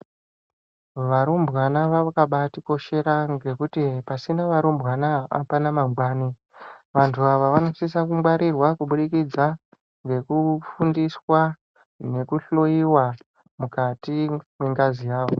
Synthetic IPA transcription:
ʋaɾumbwanaʋaakaɓatiko̞ʃe̞ɾaŋɡe̞kutipasinaʋaɾumbɣanaa̰panamaɡwaːni | ʋantʰuaʋaʋano̞sisakumwaɾirwakuɓuɗikid͡za | ŋɡe̞kufundiswa | ne̞kuɬo̞jiwa | mukatimweŋɡazijaːʋo

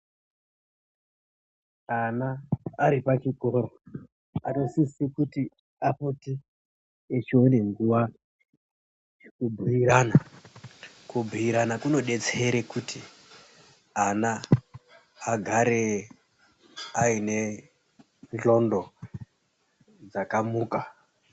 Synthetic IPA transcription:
anaːɾipat͡ʃikoɾo | atosisikuti | aputi | et͡ʃione̞ŋɡuʋa | ekubʱujiɾana | kubʱujiɾanakuno̞ɗe̞t͡seɾekutʰi | ana | ɡʱaɾe | aine̞ | nɬo̞ndo̞ | d͡zakamuːka

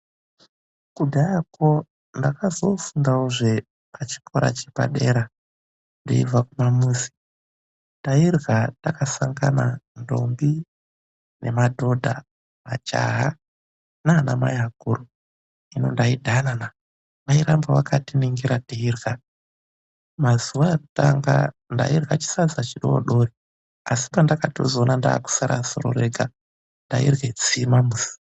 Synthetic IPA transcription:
kudʱajako | ndakazo̞fuŋɡauʐe | pat͡ʃi̥koɾa̰t͡ʃepa̰ɗe̞ɾa | ndoḭvakumamusi̥ | ndairɣatakasaŋɡa̰nando̞̰mbi | ne̞̰madʱo̞dʱa | mat͡ʃa̰ɦa | nanamajaɡʱuru | ino̞̰ndaidʱanana | ʋaiɾambawakatiniŋɡiɾatiirɣa | mazuwaeku̥taŋɡanda̰irɣat͡ʃi̥sad͡zat͡ʃiɗo̰o̰ɗo̞ri | asi̥pandakato̞̰zoːnanda̰ːku̥saɾʔa̰so̰ɾo̰ɾeɡʱa | ndaḭrwet͡simamuzi̥

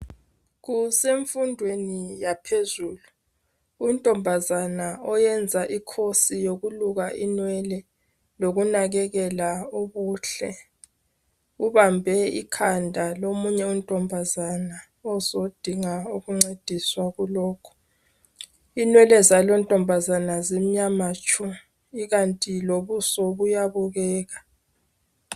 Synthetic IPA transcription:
ɣuseɱfundʱwenijapʰezuːluː | ntʼɔmbʱazanaɔjɛnd͡zʱaʔikʰosijoɣuluɣaʔinwɛlɛ | loɣunaɣɛɣɛlaoβuːɬɛ | uβambʱɛḭkʰandʱalomuɲɛuntʼɔmbʱazana | ɔzod̥ʱiŋauɣuŋ͡ǀed̥ʱiswaɣulɔːkʰɔ̥ | inwɛlɛzalɔntʼɔmbʱazanazem̩ɲamat͡ʃʼu | iɣantʼiloβusɔβujaβuɣɛːɣa

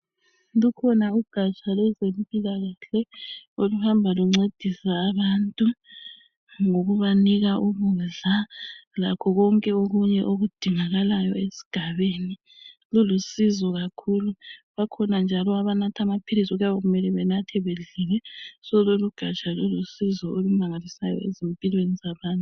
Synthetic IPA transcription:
lukʰɔnauɡ̥ʱat͡ʃʼalwɛzempʼilaɣaɬɛoluhambʱaluŋ͡ǀed̥ʱisaːβaːntʼu | ŋoɣuβaniɣaʔuβuɮalakʰɔɣɔŋkʼɛoɣuɲɛʔoɣud̥ʱiŋaɣalajɔesi̥ɡ̥ʱaβeːni | lulusizɔɣakʰuluβakʰɔnand͡ʒʱalɔaβanatʰamapʰilisuɣujaβaɣumɛlɛβɛnatʰɛβeɮilɛsɔloluɡ̥ʱat͡ʃʼalulusizɔolumaŋalisajɔ̰ezimpʼilwenizaβaːntʼu

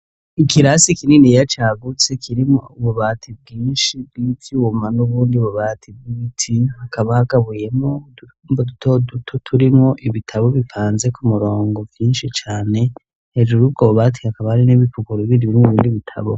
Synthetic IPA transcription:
ikʰiɾasikininijat͡ʃaːɡut͡se̞kʰiɾimouβuβaːtʰib̚ɡiːnʃibɡitiumanuβuːndiuβuβaːtʰib̚ɡitʰihakʰaβahaɡaβuje̞mo | bodutʰodutʰotʰuɾimŋo̞ʔiβitʰaβo̞βifaːnze̞kumuɾo̞ːŋɡo̞vjiːnʃit͡ʃaːne̞ | hed͡ʒuɾubɡoβuβatʰihakaβahaɾiniβipukuɾoiβiːndiβimeβiːndiβitʰa̰βo̰

